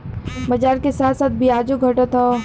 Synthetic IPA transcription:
məd͡ʒaːɾkesaːt̪ʰsaːt̪̚bʱiaːd͡ʒuɡʱəʈət̪ɔ

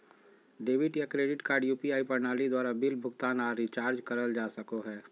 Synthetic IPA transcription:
ɖeːʋɪʈjakɾeːɖɪʈkaːɾɖjuːpiaːipɐɾnaːlid̪waːɾabɪlbʱʊɡt̪aːnaɾit͡ʃaːɾd͡ʒkɐɾəld͡ʒaːsəkoɦɛː

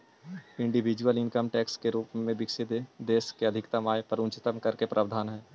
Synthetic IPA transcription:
ɪ̃ɳɖiʋɪd͡ʒuəlɪ̃nkəmʈɛːkskeɾuːpmẽbɪkʃed̪ed̪eːskeɐd̪ʱɪkt̪əmaːepɐɾʊ̃nt͡ʃɪt̪əmkɐɾkepɾʔaːʋd̪ʱaːnɦɛː

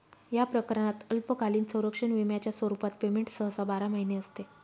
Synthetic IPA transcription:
japɾəkəɾəɳat̪əlpəkʰaliːnsə̃wɾəkʂəɳʋimjat͡ɕjasʋəɾupat̪̚pemeɳʈsəɦəsabaɾaməɦineəst̪e

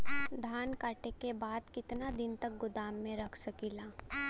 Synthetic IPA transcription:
d̪ʱaːnkaːʈekebaːd̪kɪt̪nad̪ɪnt̪ɐk̚ɡʊd̪aːmːẽɾɐkʰsɐkiːlaː

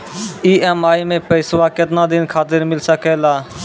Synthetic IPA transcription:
iːɛːmaːimẽːpəɪsʋaːkət̪nãːd̪ɪnkʰaːt̪ɪɾmɪlsəkeːlaː

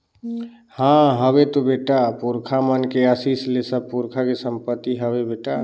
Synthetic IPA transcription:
hãɦəbet̪obeʈapuɾkʰamənkeəsislesəb̚puɾkʰakesəmpət̪ːiɦəbebeʈa

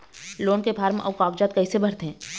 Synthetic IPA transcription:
loːnkepʰaːɾmʔɔːkaːk̚d͡ʒaːt̪̚kɐisebʱɐɾt̪ɦɛ̃ː

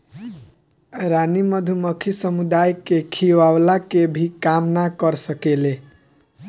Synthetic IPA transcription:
ɾanimʌd̪ʱumʌkʰisʌmud̪ajkekʰiwawlakebʱikamnakʌɾsʌkele

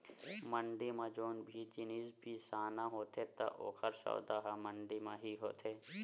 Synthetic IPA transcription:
mɐɳɖimãd͡ʒoːnbʱit͡ʃiniːzbʱisaːnãɦoːt̪ʰet̪ɐ̰ʔo̰ːkʰəɾsɔ̰ːd̪aːɦamɐ̃ɳɖimãɦiɦo̰ːt̪ʰeː

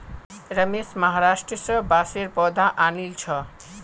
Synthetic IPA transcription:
ɾəmesməɦaɾaʃʈɾəsəbaseɾpɔd̪ʱaʔanilt͡ʃʰʌ

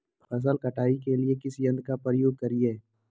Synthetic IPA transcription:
pʰɐs̬əlkɐʈaːikeliekɪsijɐ̃nd̪̚kapɾəjoːɡ̚kɐɾieː

